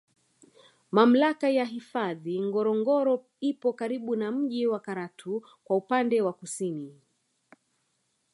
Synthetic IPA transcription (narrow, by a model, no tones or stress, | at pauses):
mam̩lakajaɦifaðiŋɡɔɾɔŋɡɔɾɔ | ipɔkaɾiɓunam̩ʄiwakaɾatʰu | kwaupandɛwakusini